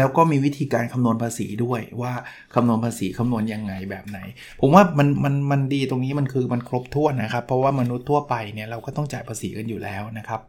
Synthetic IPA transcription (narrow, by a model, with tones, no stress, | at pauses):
lɛː˦˥wkɔː˥˩miː˧wi˦˥t̪ʰiː˧kaː˧nkʰa˧mnu˧ənpʰaː˧sḭː˩˦du˥˩əjwaː˥˩ | kʰa˧mnu˧ənpʰaː˧siː˩˦kʰa˧mnu˧ənja˧ŋːa˧jbɛː˨˩p̚na˩˦j | pʰo˨˩˦mwaː˥˩ma˧nma˧nma˧ndiː˧t̪o˧ŋniː˦˥ma˧nkʰɯː˧ma˧nkʰɾo˦˥p̚t̪ʰu˥˩ənːa˦˥kʰa˦˥pʰːɾɔ˦˥waː˥˩ma˧nu˦˥t̪ʰːu˥˩ɐəpa˧jni˥˩ɐɾa˧wkɔː˥˩t̪ɔ˥˩ŋt͡ɕaː˨˩jpʰaː˧sḭː˩˦ka˧njuː˨˩lʔɛ̰ː˦˥wna˦˥kʰa˦˥p̚